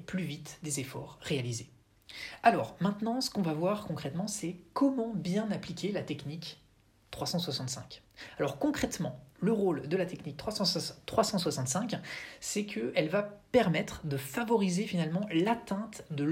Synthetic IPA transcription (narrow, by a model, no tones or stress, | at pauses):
plyvit̪d̪ezefɔʁːealize | alɔʁmɛ̃t̪nɑ̃sə̥kɔ̃vavwaʁkɔ̃kχɛt̪mɑ̃sɛkʰɔmɑ̃bjɛ̃naplikʲelat̪ɛknik | t̪χwasɑ̃swasɑ̃t̪sɛ̰̃kalɔʁkɔ̃kχɛt̪mɑ̃ləʁold̪əlat̪ɛknik̚t̪χwasɑ̃t̪χwasɑ̃swasɑ̃t̪sɛ̃ksɛkʰəʔɛlvapɛʁmɛt̪χd̪əfavɔʁizefinalmɑ̃lat̪ɛ̃t̪d̪ə